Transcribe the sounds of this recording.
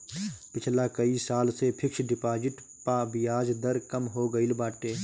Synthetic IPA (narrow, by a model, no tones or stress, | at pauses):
pɪt͡ʃʰlakəisaːlsepʰɪkʃɖɪpaːd͡ʒɪʈ | pabɪjaːd͡ʒd̪əɾkəmɦoːɡəilbaːʈeː